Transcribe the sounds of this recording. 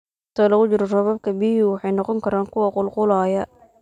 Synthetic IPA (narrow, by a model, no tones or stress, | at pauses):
t̪ʰɔːlɐɣʊt͡ʃɪɾɔrɔβɐb̚kʰɐbiɦuwɑħɑjnɔqɔŋkʰɐɾaːŋkʰʊwɐqʊlqʊlaːjɐ